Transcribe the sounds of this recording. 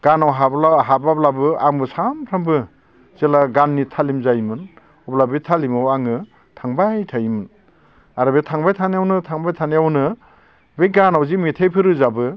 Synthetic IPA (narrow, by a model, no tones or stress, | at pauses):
ɡ̥anawɦablaɦabablabɯaŋbɯsamtʰaŋbɯ | z̥elaɡanːitʰalimzajmɯn | ɔblabɯtʰalimawaŋɯ | tʰaŋbajtʰajimɯn | aɾɯbetʰaŋbajtʰanijawnɯtʰaŋbajtʰanijawnɯ | beɡanawzimitʰejpʰɯɾɯzabɯ